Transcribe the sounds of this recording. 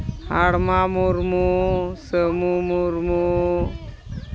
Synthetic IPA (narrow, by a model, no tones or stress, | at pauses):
haɽmamuɾmusəmumuɾmu